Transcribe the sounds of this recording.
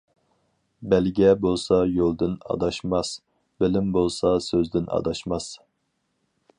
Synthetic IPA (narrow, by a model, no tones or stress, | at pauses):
bɛlɡʲɛbolˠsɑjolˠd̪ɨnɑ̰d̪ɑʃmɑs | bɪlɪmbolˠsɑsøzd̪ɪnɑ̰d̪ɑʃmɑs